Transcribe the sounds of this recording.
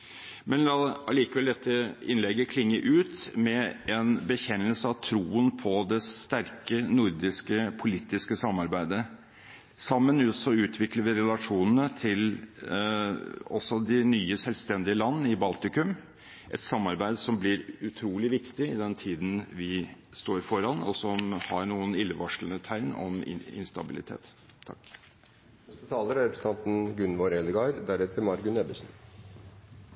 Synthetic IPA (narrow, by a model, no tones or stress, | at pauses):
mɛnlɑːɑliːkəʋɛld̪ɛt̪ʰːəɪnlɛɡːəkʰlɪŋːəɾʔʉːt̪mɛɛnbəçɛnːəlsəɑʋt̪ʰɾuːənpʰɔd̪ɛst̪æɾkənʊɾd̪ɪskəpʰʊliːt̪ɪskəsɑmːɑɾbæɪd̪ə | sɑmːənʉsɔʉːt̪ʰʋɪkləʋɪɾɛlɑʂuːnən̩ət̪ʰɪl | ɔsːɔd̪ɪnyːəsɛlʋst̪ɛnd̪ɪəlɑnːɪbɑlt̪ɪkʉm | ʔɛ̰t̪sɑmːɑɾbæɪd̪sɔmblɪɾʉt̪ʰɾuːlɪʋɪkt̪ɪɪd̪ɛnt̪ʰiːd̪n̩ʋɪ | st̪oːɾfɔɾɑnɔsɔmhɑɾɳuːənɪlːəʋɑʂlənət̪ʰæɪnɔ̰mɪ̰ɪ̰nst̪ɑbɪlɪ̰t̪ʰḛːt̪ʰː | ɑ̰kː | nɛst̪ət̪ʰɑːləɾɑɾɛpʰɾəsət̪ʰɑnt̪n̩ɡʉnʋoɾɛləɡɑɾd̪æɾɛt̪ʰəɾmɑɾɡʉnɛbəsn̩